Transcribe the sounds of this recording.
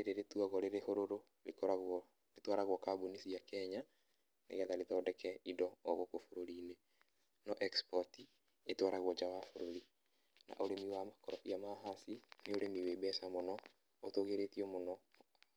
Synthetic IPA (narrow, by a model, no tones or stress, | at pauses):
ɾeɾeɾetuaɣɔɾeɾehoɾoɾo | lekɔɾaɣ | letwaɾaɣwɔkabonisiakɛɲa | nḛɣeaðaletɔdɛkɛidɔːɣokofoɾoɾiːne | nɔʔɛkspɔti | etwaɾaɣwɔd͡ʒawafoɾoɾi | na̰ʔoɾemiwamakɔɾɔʔiamaɦasineoɾemiwebɛsamonɔ | otoɣeɾetiɔmonɔ